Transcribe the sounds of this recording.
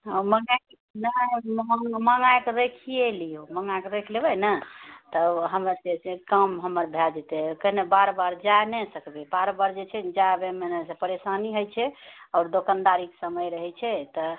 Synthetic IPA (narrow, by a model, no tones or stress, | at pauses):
ɔməŋake | nəəməŋajkeɾekʰielijoməŋajkeɾekʰlebənət̪əɦəmesesẽkəmɦəməɾbʱɛd͡ʒet̪ɛkəɦnebaɾbaɾd͡ʒaenɛsəkbɛbaɾbaɾd͡ʒet͡ʃʰɛd͡ʒabemenesepəɾesaniɦojt͡ʃʰɛɔːɾd̪okand̪aɾiksəməjɾəɦɛt͡ʃʰɛt̪ɔ